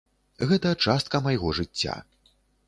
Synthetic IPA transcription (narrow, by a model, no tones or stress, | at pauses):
ɣɛt̪ɐjɐt͡ʂast̪̚kɐmɐjɣɔʐɨt͡sʲːa̰